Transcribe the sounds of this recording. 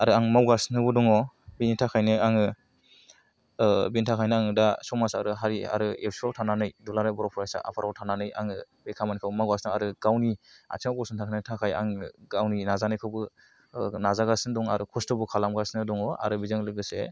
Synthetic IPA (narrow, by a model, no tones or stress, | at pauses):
aɾɯaŋmawɡasnɯbɯdɔŋɔ | binitʰakʰajnɯaŋɯ | binitʰakʰajnɯaŋɯdasɔmasaɾɯɦaɾia̰ɾɯewsawtʰananɯjdulanajbɔɾɔpʰɔjasa̰ʔa̰pʰaɾawtʰananɯja̰ŋɯ | bekʰamanikʰawbmawɡasnɯaɾɯɡ̥awnia̰tʰiŋawkɔsɔntʰakʰajnɯtʰakʰaja̰ŋɡawninazanɯjkʰawbɯ | nazaɡasndɔŋa̰ɾɯkʰɔstɔbɯkʰalamɡasnɯdɔŋɔa̰ɾɯbizɯŋlɯɡɯsḛ